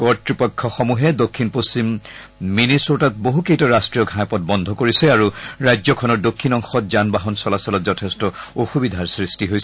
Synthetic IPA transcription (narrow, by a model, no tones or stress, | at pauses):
kɔɹtɹipɔkʰːɔxɔmuɦɛdokʰːinpost͡ɕimː | inisɔtat̚boɦukejtɔɹastɹijɔɡʱajpɔt̚bɔndʱɔkoɹisɛaɹuɹajzɔkʰɔnɔɹdokʰːinɔŋxɔtzanbaɦɔnsɔlasɔlɔtzɔtʰestɔoxubidʱaɹsɹistiɦojsɛ